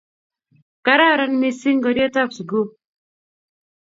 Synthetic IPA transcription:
ka˨ɾa˦˨ɾɔ˦nmi˦si˦ŋɡɔ˨djɔ˦ta˦psɡu˦

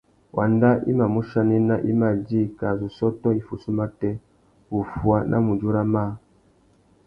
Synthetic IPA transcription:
wʔa̰˨nda˦ʔḭ˦ma˨mu˦ʃa˦ni˦na˦ʔi˦ma˨d͡ʒi˦ka˨zu˨sɔ˦tɔ˦i˦fu˨su˦ma˦tɛ˦ | wu˨fu˦a˦nʔa̰˦mu˨d͡ʒu˦ɾa˦ma˦

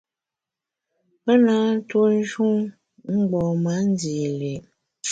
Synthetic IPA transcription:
pə˦na˨˦n̩˦two˦n̩˦ʒu˦ŋ | ŋ͡m̩˦ɡ͡bɔ˨ma˨˦n˦di˨le˨

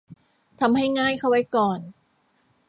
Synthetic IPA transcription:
t̪ʰa˧mha˥˩jŋaː˥˩jkʰa˥˩wa˦˥jkɔː˨˧n

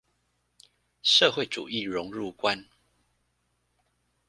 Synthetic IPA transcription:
ʂɤ˥˨xwe˥˨ɪʈ͡ʂṵ˨˩i˥˨ɻʊ˨˧˦ŋɻu˥˨kwa˦n

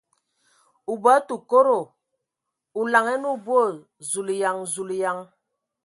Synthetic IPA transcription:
u˨bə˨˦tu˨ko˦ɾo˨ | u˨la˨ŋɛ˦nu˦˨bwo˦˨ | zu˨li˨ja˨ŋzu˨lja˨ŋ

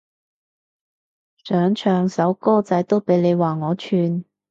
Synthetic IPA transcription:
sœː˨˥ŋt͡ʃʰœː˨˩ŋsɐ˨˥wkɔː˥t͡sɐ˨˥jt̪o˥wpe˨˥jle˨˧jwaː˨˩ŋɔː˨˧t͡ʃʰyː˧n

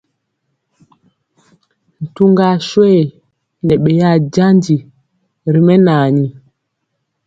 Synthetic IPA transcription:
n̩˨tu˦ŋɡa˦˨ʃwɛ˦˨ | nɛ˨ɓɛ˨ja˦˨d͡ʒa˦nd͡ʒi˨ | ɾi˨mɛ˦naː˨ɲi˨

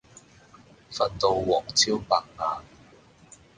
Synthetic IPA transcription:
fɐ˨˩nt̪o˨˧wwɔː˨˩k̚t͡sʰiː˥wpaː˧k̚ŋaː˨n

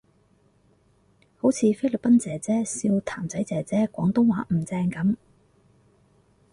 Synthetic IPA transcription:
ho˨˥wt͡sʰiː˨˧fe˥l̚pɐ˥nt͡sɛː˨˩t͡sɛː˥siː˧wt̪ʰaː˨˩mt͡sɐ˨˥jt͡sɛː˨˩t͡sɛː˨˥kʷɔː˨˥ŋt̪ʊ˥ŋwaː˨˥m̩˨˩t͡sɛː˧ŋkɐ˨˥m

